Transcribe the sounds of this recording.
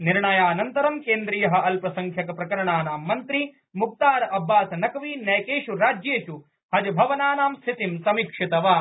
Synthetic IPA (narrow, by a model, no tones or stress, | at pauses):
niɾɳɐjaːnɐnt̪ɐɾɐmkeːnd̪ɾijɐɦɐ̆ʔɐlpɾɐsɐŋkʰjɐkɐpɾɐkɐɾɐɳaːnaːmːɐnt̪ɾi | muk̚t̪aːɾɐbːaːt̪nɐkɐʋiːnɐjkeːʂuɾaːd͡ʒjeːt͡ʃu | hɐd͡ʒɐbʱɐʋɐnaːnaːmst̪ʰit̪imsɐmikʂit̪ɐʋaː